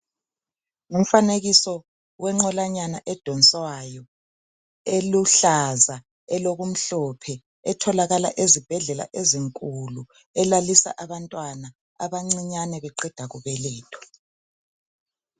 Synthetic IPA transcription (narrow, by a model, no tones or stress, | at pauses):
ŋum̩faneɣisɔ | wʔɛŋ͡ǁɔlaɲanaʔɛd̥ʱɔnt͡sʼwajɔ | eluɬaza | ɛloɣum̩ɬɔpʰɛ | ɛtʰɔlaɣala̰ʔezib̥ʱɛɮɛla̰ʔeziŋkʼulu | ɛlalisa̰ʔaβantʼwana | aβaŋ͡ǀiɲanɛβɛǃɛd̥ʱaɣuβɛlɛːtʰʼɔ̥